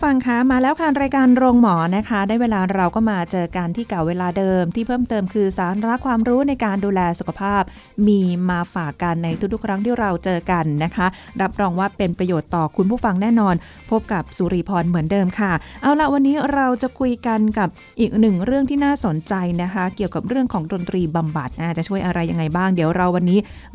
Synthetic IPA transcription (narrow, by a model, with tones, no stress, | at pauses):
fa˧ŋkʰa˦˥maː˧lɛː˦˥wkʰaː˥˩nɾaː˧jkaː˧nɾoː˧ŋmɔː˩˦na˦˥kʰa˦˥da˥˩jweː˧laː˧ɾa˧wkɔː˥˩maː˧t͡ɕɤː˧ka˧nt̪ʰiː˥˩ka˨˩weː˧laː˧dɤː˧mt̪ʰiː˥˩pʰɤː˥˩mt̪ɤː˧mkʰɯː˧saː˩˦ɾa˦˥kʰwaː˧mɾuː˦˥na˧jkaː˧nduː˧lɛː˧su˨˩kʰa˧pʰaː˥˩p̚ | miː˧maː˧faː˨˩kːa˧nːa˧jt̪ʰu˦˥t̪ʰu˥˩kʰɾa˦˥ŋt̪ʰiː˥˩ɾa˧wt͡ɕɤː˧ka˧nːa˦˥kʰa˦˥ | ɾa˦˥p̚ɾɔː˧ŋwaː˥˩pe˧npɾa˧joː˨˩t̪ːɔː˨˩kʰu˧npʰu˥˩fa˧ŋnɛː˥˩nɔː˧n | pʰo˦˥p̚ka˨˩p̚su˨˧˦ɾiː˧pʰɔː˧nmɯ˩˦əndɤː˧mkʰa˥˩ʔa˧wla˨˩wa˧nːiː˦˥ɾa˧wt͡ɕa˨˩kʰu˧jka˧nka˨˩p̚ | ʔiː˨˩k̚nɯ˨˩ŋɾɯ˥˩əŋt̪ʰiː˥˩naː˥˩so˩˦nt͡ɕa˧jna˦˥kʰa˦˥ki˨˩əwka˨˩p̚ɾɯ˥˩əŋkʰɔː˩˦ŋdo˧nt̪ɾiː˧ba˧mba˨˩t̪̚ʔaː˧˩t͡ɕa˨˩t͡ɕʰu˥˩əjʔa˧ɾa˧jːa˧ŋːa˧jbaː˥˩ŋdi˩˦əwɾa˧wa˧nːiː˦˥